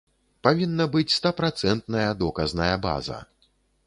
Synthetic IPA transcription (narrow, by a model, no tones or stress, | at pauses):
pavʲinːɐbɨt͡sʲst̪apɾat̪sɛnt̪nɐjɐd̪ɔkɐznɐjɐba̰zɐ̰